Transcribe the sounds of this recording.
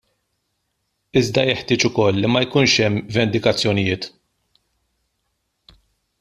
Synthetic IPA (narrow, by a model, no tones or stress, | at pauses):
ɪzd̪ɐjɛħt̪ɪːt͡ʃʊkɔlːimɐjkuːnʃɛmːvɛnd̪ɪkɐt͡sːjɔnɪjɪːt̪